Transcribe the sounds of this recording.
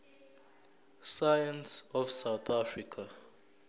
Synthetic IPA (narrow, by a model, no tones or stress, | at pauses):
sajansɔfsawt̪ʰafrikʰa